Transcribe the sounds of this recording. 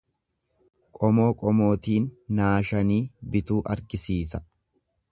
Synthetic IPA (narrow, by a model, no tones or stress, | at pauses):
kʼɔmo̞ːkʼɔmo̞ːt̪iːnːaːʃɐniːbɪt̪uːʔɐɾɡɪsiːsɐ̥